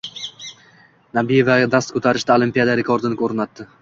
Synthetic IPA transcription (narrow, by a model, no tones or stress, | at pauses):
nabije̞vaɡʲad̪ast̪kʰɵt̪ʰaɾɪʃd̪aolˠimpijad̪aɾekʰoɾd̪ɪnɪkʰoɾɪnat̪ːɪ